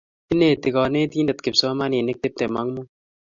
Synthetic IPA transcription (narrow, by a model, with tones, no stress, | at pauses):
t̪i˦neːt̪ɪɡɔː˨neː˦t̪iː˦nɐ˨t̪ke˨psoːmaː˦niː˨ne˦k̚t̪e˦p̚t̪e˨ma˦ŋmu